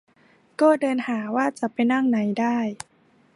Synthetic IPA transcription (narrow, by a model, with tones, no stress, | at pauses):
kɔː˥˩dɤː˧nhaː˩˦waː˥˩t͡ɕa˨˩pa˧jna˥˩ŋna˩˦jdaː˥˩j